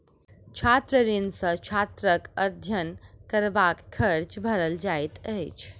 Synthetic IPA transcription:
t͡ʃʰat̪ɾəɾinsə̃t͡ʃʰat̪ɾəkəd̪ʱjənkəɾbakʰːəɾt͡ʃbʱəɾəld͡ʒajt̪əjt͡ʃʰ

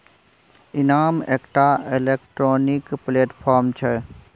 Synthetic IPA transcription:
ɪnaːmeːkʈaɪleːkʈɾoːnikpleːʈpʰaːɾmt͡ʃʰɛ

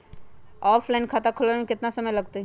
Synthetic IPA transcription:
ɔːpʰlaɪnkʰaːt̪akʰʊlamẽkɪt̪nasɐməjlɐɡt̪e

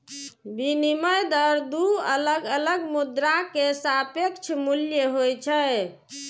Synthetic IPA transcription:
biniməjd̪əɾd̪uələɡələɡmud̪ɾakesapəkt͡ʃʰmuljəɦojt͡ʃʰə

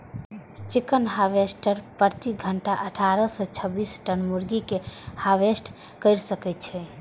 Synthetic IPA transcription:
t͡ʃikənɦaʋesʈəɾpəɾt̪iɡʱəɳʈaʔəʈʰaɾəsət͡ʃʰəbisʈənmuɾɡikehaʋesʈ | kəɪɾsəkɛt̪̚t͡ʃʰɛ

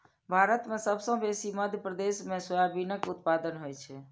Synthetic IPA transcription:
bʱaɾət̪mẽsəbsə̃besiməd̪ʱjəpɾəd̪esmẽsəjabinəkut̪̚pad̪ənɦojt͡ʃʰɛ

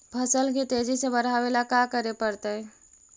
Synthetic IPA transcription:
pʰəsəlkit̪eːd͡ʒisebəɾɦaʋelakakəɾepəɾt̪eɦɛ

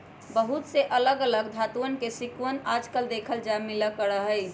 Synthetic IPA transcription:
bəɦut̪seʔələɡələɡd̪ʱat̪uənkesikwənad͡ʒkəld̪ekʰəld͡ʒamiləkəɾəɦəj

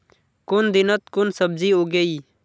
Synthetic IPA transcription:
kʊnd̪ɪnət̪kʊnsəb̚ziːɦoːɡəiː

